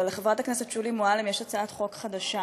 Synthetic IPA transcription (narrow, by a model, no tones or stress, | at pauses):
alːeχevʁat̪aknesetʃulimoalemjeʃat͡saat̪χo̞kχad̪aʃa